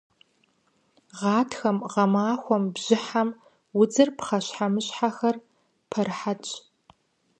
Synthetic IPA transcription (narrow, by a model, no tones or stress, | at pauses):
ʁɑːtʰxɐmʁɐmaːxʷɔmbʑ̥ɪħam | wʊd͡zɨrpχɐɕħamɨɕħaxɐr | pʰɐrħat͡ʃʼ